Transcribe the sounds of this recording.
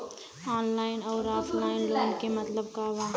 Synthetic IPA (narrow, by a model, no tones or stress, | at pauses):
aːnlaːɪnɔːɾaːfʰlaːɪnlaːɪnkemɐt̪ləb̚kaʋaː